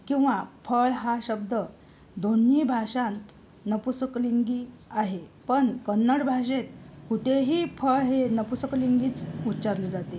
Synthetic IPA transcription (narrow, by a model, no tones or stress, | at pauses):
kĩw̃ʋafʰəɭɦaɕəb̚d̪ə | d̪onːiːbʱaɕãnt̪ | nəpusəkliŋɡiːaɦepəɳkənːəɽbʱaɕet̪̚kuʈ̪ʰeɦiːfʰəɭɦenəpusəkliŋɡiːt͡sutːt͡ɕaɾləd͡zat̪e